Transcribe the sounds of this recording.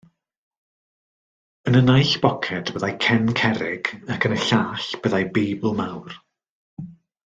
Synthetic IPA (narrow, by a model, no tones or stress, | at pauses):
ənənajɬb̥ɔkʰɛdb̥əðajkʰɛnkʰɛɾɪɡ̥akʰənəɬaːɬb̥əðajbejblˠmawr